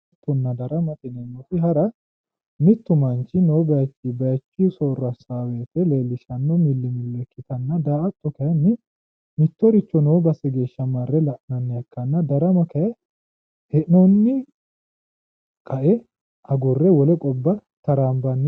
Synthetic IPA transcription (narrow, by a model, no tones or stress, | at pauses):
t̪ːɔnːɐd̪ɐɾɐmɐt̪ɪnɛnɔfɪɦɐɾɐ | mɪt̪ːʊmɐnt͡ʃːɪnowbɐjɐt͡ʃʼːibɐjɐt͡ʃʼːisoːrːɐsaːwɛt̪ɛle̞ːlːɪʃɐnːɔmɪlːɪmʊlːɛkːɪt̪ɐnːɐd̪aːʔɐt̪ːɔkɐjɐnːɪ | mɪt̪ːɔɾɪt͡ʃːɔnowbɐsɛɡe̞ːʃːɐmɐrːɛlɐʔnɐnːɛɐkːɐnːɐd̪ɐɾɐmɐkɐjɛ | hɛʔnɔnːɪ | kʼɐʔɛ | ɐɡɔrːɛwɔlɛkʼɔbːɐt̪ɐɾaːmbɐnː